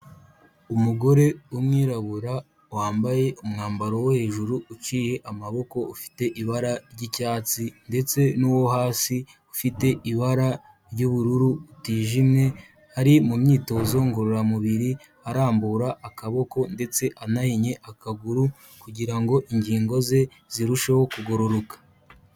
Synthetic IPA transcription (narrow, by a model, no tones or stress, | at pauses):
umuɡo̞ɾe̞umŋiːɾaβuɾa | waːmbaje̞umŋaːmbaɾo̞wohe̞ːʒuɾuːt͡ʃiːje̞ʔamaβo̞ko̞ufi̥te̞ʔiβaɾaɾɟicaːt͡sinde̞t͡se̞nuːwo̞haːsi | ufite̞ʔiβaɾa | ɾɟuβuɾuɾuutiːʒimɲe̞ | haɾimumɲiːto̞ːzo̞ŋɡoɾoɾamuβiɾi | aɾaːmbuːɾaʔːkaβo̞ko̞nde̞t͡se̞ʔanahiɲe̞ʔakaɡuɾu | kuɟiɾaŋɡo̞ʔiɲɟiːŋɡo̞ze̞ | z̥iɾuʃeho̞kuɡoɾoɾokḁ